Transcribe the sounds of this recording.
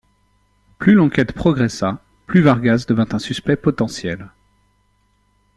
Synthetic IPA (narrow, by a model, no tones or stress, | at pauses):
plylɑ̃kʲɛt̪pχɔɡʁɛsa | plyvaʁɡazd̪əvɛ̃t̪ɛ̃syspɛpɔt̪ɑ̃sjɛl